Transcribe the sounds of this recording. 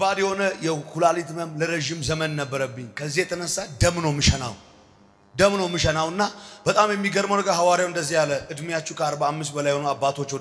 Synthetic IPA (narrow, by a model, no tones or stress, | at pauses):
ad̪jɛho̞nəjɛkʰulalit̪məmləɾəʒɪmzəmənnəbːəɾəbːɨɲːkʰəzːihjɛt̪ʰənəsːad̪əmnəwmɨʃɛna̰w | d̪əmnəwmːɨʃɛnawɨnːab̥ət̪ʼamjɛmːiɡəɾməwnɡəɦawaɾjawɨnd̪əzːijalːəʔɨd̪mijat͡ʃːukʰəaɾbamːɨs̬t̪̚bəlajɛhonoabːat̪ʰo̞t͡ʃːo